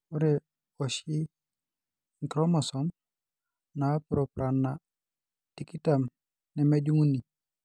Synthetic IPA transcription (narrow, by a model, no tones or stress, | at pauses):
uɾe | oʃi | ŋkɾomasom | napɾopɾanːa | tikitam | nemeɟuŋuni